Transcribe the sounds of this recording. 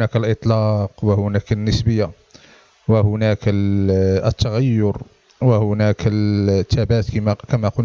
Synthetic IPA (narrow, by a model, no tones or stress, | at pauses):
næklʔət̪ˤlɑqwəhʊnækənːəsbəjːa | wəhʊnækə | ət̪ːɑɣæjːʊɾ | wəhʊnækəlt̪ʰːæbæt̪kimækæmæqʊl